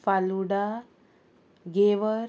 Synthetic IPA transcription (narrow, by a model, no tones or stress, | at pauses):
faluɽa | ɡeʋə